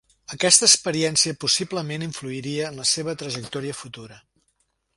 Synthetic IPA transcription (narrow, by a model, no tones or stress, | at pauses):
əkɛst̪əːkspəɾiɛnsiəpusibləmeniɱfluiɾiəːnləseβ̞ət̪ɾəʒək̚t̪ɔɾiəfut̪uɾə